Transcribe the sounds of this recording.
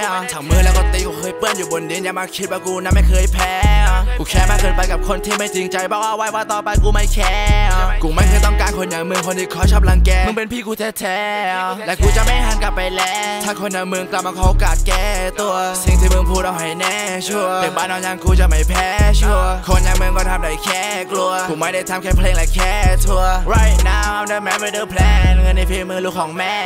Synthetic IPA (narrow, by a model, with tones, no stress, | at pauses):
wt̪ʰaː˨˦ŋmɯ˧ŋlɛː˦˥wkɔ˧˩t̪i˧˥kuː˧˩kʰɤː˧jpɯ˥˩ənjuː˨˩bo˧ndi˧ənja˧ŋmaː˧kʰi˦˥t̪̚waː˧˩kuː˧na˧˥mːa˥˩jkʰɤː˧jpʰɛː˧˥kuː˧˩kʰɛː˧˩maː˧˩kɤː˧˨npa˧jka˨˩kʰo˧nt̪ʰiː˧˩ma˥˩jt͡ɕi˧ŋt͡ɕa˧jbɔː˧˩k̚waː˧wa˧˥jwaː˧˩t̪ɔː˨˩pa˧jkuː˧ma˧˩jkʰɛː˧˥ku˨˧˦ma˥˩jkʰɤː˧˦jt̪ɔ˥˩ŋkaː˧nkʰo˧nnɯː˨˦mɯ˧əŋkʰo˧nt̪ʰi˧˩kʰɔː˧˥˩t͡ɕʰɔː˧˩p̚la˧ŋkɛː˧m˧ŋpe˧npʰiː˧˥˩kuː˧t̪ʰeː˧˩t̪ʰɛː˨˧˥lɛː˨˧˥kuː˧t͡ɕa˨ma˥˩jɦaː˧˥nka˨˩p̚ːa˧jlɛː˦˥t̪ʰaː˧˩kʰo˧nːa˨˧˦mɯ˧əŋkla˨˩p̚maː˧kʰɔː˧˦ʔo˧kaː˨˩t̪̚kɛː˧˩t̪u˧əsi˨˧˦ŋt̪ʰiː˧˩mɯ˧əŋpʰuː˧˩dɔ˧˩wha˨˩jnɛː˧˩˨t͡ɕʰu˥˧˩əəː˨˩baː˧˨nʔɔː˧ɲaː˧ŋkuː˧t͡ɕa˨˩ma˧˩jpʰɛː˧˥t͡ɕʰu˥˩əkʰo˧njaː˧ŋmɯ˧əŋkɔː˥˧˩t̪ʰa˧mda˨˩jkʰɛː˧˥˩ | klu˧əkuː˨˦ma˥˩jda˥˩jt̪ʰaː˧mkʰɛː˧˥˩pʰleː˧ŋla˨˩jkʰɛː˧˩t̪ʰu˧əɾa˧˩jnaː˦˥˧nə˧mɛː˧˥mə˧dəː˧˩pʰlɛː˧ŋə˧nːa˧jpʰleː˧ŋmɯ˧ŋluː˧˩kʰɔː˨˩˦ŋmɛː˧˥˩